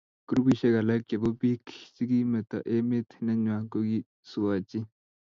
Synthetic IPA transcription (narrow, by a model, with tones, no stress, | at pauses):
kɾubi˦ɕɐ˦ɡɐ˨lake˨bobi˦kʰi̥t͡ʃi˦ɡi˦me˨t̪a̰˨ʔe˦me˦t̪ʰinɐ˦ɲwaːkoɡi˦ | suwaːt͡ɕi˦